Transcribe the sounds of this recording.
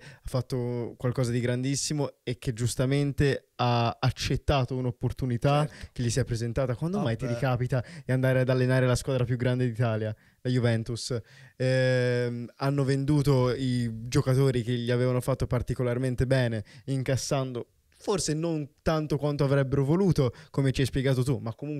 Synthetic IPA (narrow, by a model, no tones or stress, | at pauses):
afːat̪ːokwalkɔːzad̪iɡɾand̪isːimoek̟ːed͡ʒːust̪ament̪eaːt͡ʃːet̪ːaːt̪ounopːort̪unit̪ak̟eʎːisiɛpɾezent̪aːt̪akwand̪omajt̪iɾikaːpit̪aeand̪aːɾead̪alːenaːɾelaskwaːd̪ɾapjuɡɾand̪ed̪it̪aːlja | lajuvɛnt̪usɛ | anːovend̪uːt̪oid͡ʒokat̪oːɾik̟eʎːiaveːvanofat̪ːopart̪ikolarment̪ebɛːneiŋkasːand̪o | forsenont̪ant̪okwant̪oavɾɛbːeɾovoluːt̪okomet͡ʃiajspjeɡaːt̪̬ot̪umakːomuŋk